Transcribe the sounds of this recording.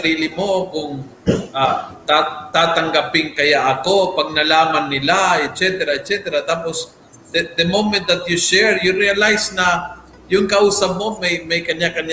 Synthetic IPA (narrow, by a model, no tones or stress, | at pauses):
ɐɾiːlɪmo̞kʊŋ | ʔat̪at̪aːt̪ɐŋɡɐpɪŋkɐjaʔɐko̞pɐɡ̚nɐlaːmanːɪlaɛt̪̚t͡ʃɛt̪ɛɾaɛt̪̚t͡ʃɛt̪ɛɾat̪aːpos | d̪d̪əmowmɛ̃nt̪̚d̪ɐt̪̚juʃɛɹjʊɾiɐlajsnɐ | jʊŋkɐʔuːsɐp̚mo̞mɐjmɐjkɐɲjakɐn